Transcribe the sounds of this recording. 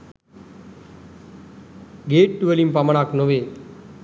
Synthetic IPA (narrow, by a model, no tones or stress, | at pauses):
ɡeːʈ̚ːuʋəlimpamənaknoʋe